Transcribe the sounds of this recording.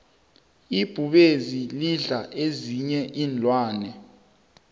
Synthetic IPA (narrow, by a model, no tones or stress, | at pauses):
ib̥ʱuɓeziliɮaʔeziɲɛʔiːnd͡ɮʱwaːnɛ